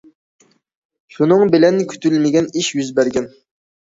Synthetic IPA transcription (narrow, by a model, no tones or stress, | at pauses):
ʃunɨŋbɪlɛnkʲʰy̥t̪ʰylmɪɡʲɛniʃjyzbæɾɡʲɛn